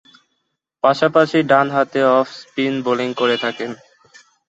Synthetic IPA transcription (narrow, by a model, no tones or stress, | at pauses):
paʃapaʃiɖanɦat̪eɔfʰspinboliŋkoɾet̪ʰaken